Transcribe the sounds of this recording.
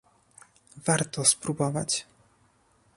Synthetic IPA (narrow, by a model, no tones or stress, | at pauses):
vaɾt̪ɔspɾubɔvat͡ɕ